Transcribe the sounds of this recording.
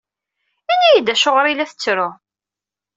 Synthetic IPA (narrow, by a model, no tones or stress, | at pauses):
ænæjid̪æʃoʁɾˤilæθət͡sːɾʊ